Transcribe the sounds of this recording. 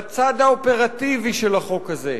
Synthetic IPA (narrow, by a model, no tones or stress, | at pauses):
t͡sad̪aope̞ʁativiʃelaχo̞kaze̞̰